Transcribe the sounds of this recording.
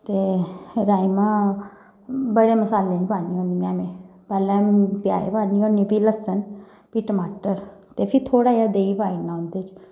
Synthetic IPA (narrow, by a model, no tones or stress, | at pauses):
t̪eːɾaːimãː | bəɽeːməsaːleːnipaːniːõːniːãːmẽː | pɛːlɛ̃ːpja̰ːḛːpaːniːõːniːpiːləsən | piːʈəmaːʈəɾ | t̪eːpʰɪt̪ʰoːɽaːjaːd̪eːiːbaːinãːõːnd̪eːt͡ʃ